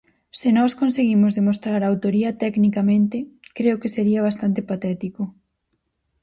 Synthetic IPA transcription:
sɪnɔskonseɣimʊzðemost̪ɾaɾaːwt̪oɾiɐt̪ɛknikamẽnt̪ɪkɾeokeseɾiɐβ̞ast̪ant̪epat̪ɛt̪ikʊ

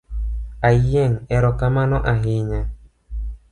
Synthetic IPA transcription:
ajɛŋɛɾɔkamanɔʔaɦiɲa

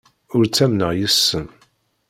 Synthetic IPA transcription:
ʊɾt͡sːæmnəʁjəsːən

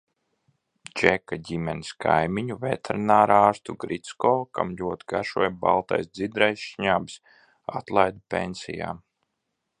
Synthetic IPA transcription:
t͡ʃɛkaɟʲimʲɛniskʰajmiɲuvɛt̪ʰɛɾinaːɾaːɾst̪uɡɾit̪skɔːkamʎʲuɔt̪ɡaʃuɔjba̰lˠt̪ajsd̪zid̪ɾajʃɲaːbi̥s | at̪lˠajd̪upʲḛnsḭja̰ː

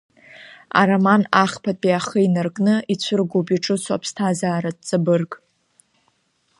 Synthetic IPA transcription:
a̰ɾamanaχpʰapʼiaχəinarkʼnɨit͡ɕʷʰɨrɡobiʈ͡ʂʼɨt͡sʷʰa̰pʰstʰazaːɾad̚ʼt͡sʼabɨrkʼ

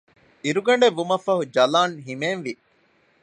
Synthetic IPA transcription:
iɾuɡɐɳɖeʋːumɐfɐɦud͡ʒɐlaːnɦimeːnʋi

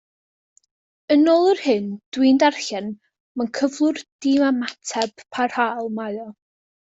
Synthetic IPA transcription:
ənɔlˠərhɨnd̥wɪndarɬɛn | mankʰəvlˠʊrd̥ɪmamatʰɛb̥pʰar̥halˠmaɨɔ

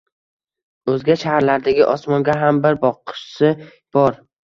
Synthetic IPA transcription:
ɵzɡʲaʃahaɾlaɾd̪aɡʲɪʔɒsmɒŋɡʲaɦambɪɾbɒqʰɨ̥ʃsɪ | b̥ɒɾ

